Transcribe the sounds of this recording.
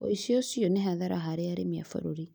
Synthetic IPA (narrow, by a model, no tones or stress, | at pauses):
o̰isiosiɔneɦaðaɾaɦaɾeaɾemia̰fo̰ɾoɾi